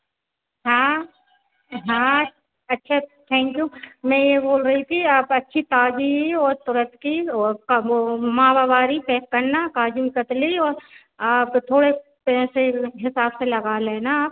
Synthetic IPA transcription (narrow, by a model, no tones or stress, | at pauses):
ɦãː | ɦã | ɐtːʃʰat̪ʰɛ̃ːŋkjumɛ̃jeboːlɾɐɦit̪ʰiaːpɐtːʃʰit̪aːd͡ʒiiɔːɾt̪ʊɾət̪kikmaːwabaːɾipɛːkkɐɾnakaːd͡ʒuikɐt̪liɔːɾ | aːpt̪ʰoːɽe | pɛ̃ːseɦɪsaːbselɐɡaːleːnaaːp̚